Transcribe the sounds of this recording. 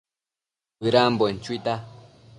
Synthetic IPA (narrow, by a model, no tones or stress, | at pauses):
ɨɾambɔn̩t͡ʃwit̪a